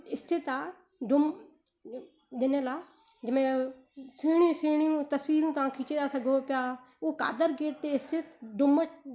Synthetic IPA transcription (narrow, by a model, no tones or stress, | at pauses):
ɪst̪ʰɪt̪aː | ɖʊm | d̪ɪneːlaː | d͡ʒɪmẽː | seːɳiũːseːɳ̃iũːt̪əsʋiːɾũːt̪ãːkʰiːt͡ʃeːd̪aːsəɡoːpjaː | oːka̰ːd̪əɾɡeːʈ̚t̪eːɪst̪ʰɪt̪ɖʊmət͡ʃ